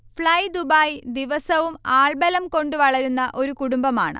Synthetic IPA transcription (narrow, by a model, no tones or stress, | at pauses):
fɭɐjd̪ubaːjd̪iʋɐsɐʋumaːɭbɐlɐmko̞ɳɖɨʋɐɭɐɾunːɐʔo̞ɾukuɽumbɐma̰ːɳɨ̰